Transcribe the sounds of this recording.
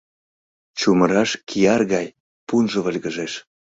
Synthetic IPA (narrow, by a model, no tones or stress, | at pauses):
t͡ɕuməɾɑʃkʰijɑrɣɑj | punʒəβəlʲɣəʒeʃ